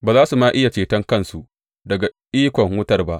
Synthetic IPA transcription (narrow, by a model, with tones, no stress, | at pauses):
baː˨zaː˦su˨maː˦ʔɪ˦ja˨t͡ʃeː˨tɐ˦ŋkɐ˦nsu˨ʔ | dɐ˨ɡa˨ʔiː˦kʷɔ˨ŋwʊ˦tɐ˨rba˦ʔ